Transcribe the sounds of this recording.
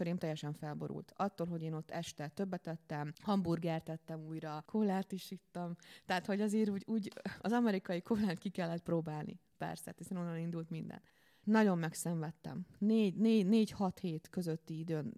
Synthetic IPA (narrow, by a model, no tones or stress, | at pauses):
øɾeːmt̪ɛjɛʃɛɱfɛlbo̞̰ɾṵlt̪ɒt̪ːoːlɦo̞ɟeːno̞t̪ːɛʃt̪ɛt̪øbːɛt̪ɛt̪ːɛmhɒmburɡɛrt̪ɛt̪ːɛmuːjɾɒkʰolːaːt̪iʃit̪ːɒmt̪ɛɦaːt̪ho̞ɟɒzeːɾuːɟuːɟɒzɒmɛɾikɒjikʰorlaːnt̪kikɛlːɛt̪̚proːbaːlnʔḭpɛ̰rsɛ̰t̪hisɛno̞nːɒnind̪ult̪mind̪ɛ̰n | nɒɟo̞mːɛksɛɱvɛt̪ːɛ̰mneːɟneːɟneːɟhɒt̪heːt̪kø̞zøt̪ːiid̪øːn